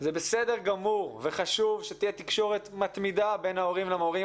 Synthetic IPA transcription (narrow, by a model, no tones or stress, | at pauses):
zebesedeʁɡamuʁveχaʃuvʃet̪ijet̪ikʃo̞ʁe̞t̪mat̪mid̪abe̞nhao̞ʁimlamoʁi